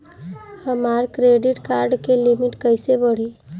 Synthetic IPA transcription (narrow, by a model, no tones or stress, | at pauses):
həmaɾkɾeɖiʈkaɾɖkelimiʈkəjsebəɽ̤i